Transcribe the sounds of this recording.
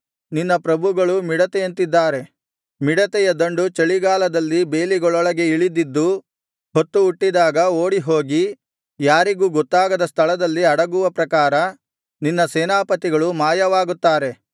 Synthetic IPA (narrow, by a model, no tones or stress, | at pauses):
ninːɐpɾɐbʱuɡɐɭumiɽɐt̪ɛjɐnt̪id̪ːaːɾe̞ | miɽɐt̪ɛjɐd̪ɐɳɖut͡ʃɐɭiɡaːlɐd̪ɐlːibe̞ːliɡɔɭɔɭɐɡe̞iɭid̪id̪ːu | ɦot̪ːuːʈːid̪aːɡɐoːɽiɦo̞ːɡi | jaːɾiɡuːɡɔt̪ːaːɡɐd̪ɐst̪ʰɐɭɐd̪ɐlːiɐɽɐɡuʋɐpɾɐkaːɾɐ | ninːɐseːnaːpɐt̪iɡɐɭumaːjɐʋaːɡut̪ːaːɾe̞